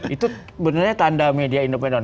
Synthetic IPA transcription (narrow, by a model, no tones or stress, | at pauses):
ʔit̪u | bənərɲat̪andamediaindopedɔn